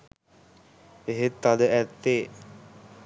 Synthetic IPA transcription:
eɦet̪ːad̪əʔæt̪ːeː

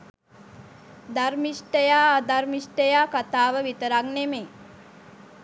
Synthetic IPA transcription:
d̪armisʈəjaːd̪armisʈəjaːkat̪aːʋəʋit̪əɾaŋneme

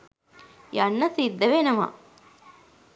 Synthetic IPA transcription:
jɐnːɐsid̪ːɐʋenɐma̰

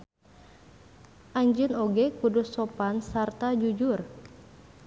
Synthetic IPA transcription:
ʔaɲd͡ʒɨnoɡɛkuduːopansart̪ad͡ʒud͡ʒʊr

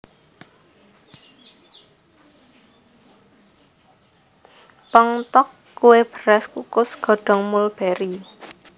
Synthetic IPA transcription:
pəŋt̪ɔkːuweb̥əɾɛskukʊsɡ̥ɔ̤ɖ̥ɔ̤ŋmʊlb̥ɛɾi

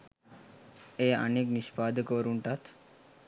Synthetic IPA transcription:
eə̰neknispad̪ʱəkoɾuɳʈat̪

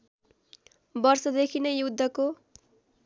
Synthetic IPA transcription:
bʌrsʌd̪ekʰinʌjud̪ʱːʌko

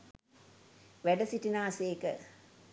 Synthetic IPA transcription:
ʋæɖəsiʈinaːseːkə

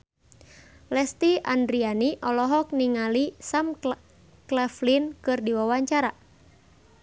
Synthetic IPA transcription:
lɛst̪ia̰ndɾianiʔɔlɔɦɔk̚niŋalisam | klɛflinkɨrdiwawaɲt͡ʃaɾa

